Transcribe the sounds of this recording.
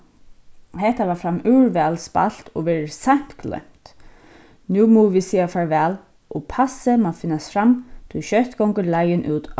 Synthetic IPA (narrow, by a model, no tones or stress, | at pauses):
ɦɛht̪avaɹfɾamːʉːwɹvɛːlspa̰l̥t̪ɔvɛːɾɪsajm̥t̪ɡlœ̰jm̥t̪ | nʉːmɔːvisiːafaɹvɛːl | ʔɔpʰasɪmafɪnːast̪fɾamːt̪ʰujʃœht̪ɡɔwŋkəlajɪnʔuːt̪